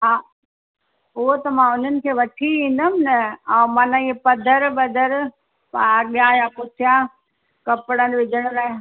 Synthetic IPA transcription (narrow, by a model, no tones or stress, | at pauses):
ɦaː | ʊɦot̪ɐmãʊn̤ənɪ̆kʰeːʋɐʈʰiĩːn̆d̪əmɪnɐɛ̃ːmãːnãepɐd̪ʱəɾbɐd̪ʱəɾ | paɠijãjapʊt̪ʰɪjã | kɐpɽənʋɪd͡ʑʱəɽ̃ʊlaːɦ